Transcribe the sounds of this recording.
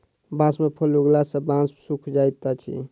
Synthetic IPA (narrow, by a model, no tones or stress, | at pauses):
bãsmepʰoluɡlasə̃bãssukʰd͡ʒajt̪at͡ʃʰḭ